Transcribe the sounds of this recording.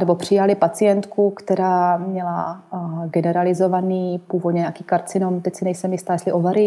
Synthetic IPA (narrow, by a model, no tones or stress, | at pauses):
nɛbo̞pr̝̥ɪjalɪpat͡sɪjɛnt̪kukt̪ɛɾaːmɲɛla | ɡɛnɛɾalɪzo̞vaniːpuːvod̪ɲɛɲakiːkaɾt͡sɪnomt̪ɛcsɪnɛjsɛmjɪst̪aːjɛslɪʔovaɾɪ